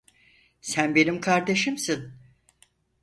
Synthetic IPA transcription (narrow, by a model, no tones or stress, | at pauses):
sænbe̞nimkʰaɾd̪e̞ʃimsin